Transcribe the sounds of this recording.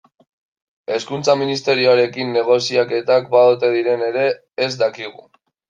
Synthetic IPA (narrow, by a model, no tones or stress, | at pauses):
e̞skunt͡saminist̪e̞ɾioaɾe̞kinːe̞ɣ̞o̞siake̞t̪ak̚baðot̪e̞ð̞iɾe̞ne̞ɾe̞ː | zd̪akiɣ̞u